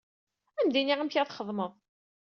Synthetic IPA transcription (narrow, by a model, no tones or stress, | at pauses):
æmd̪iniʁæmçaθχəðˤməðˤ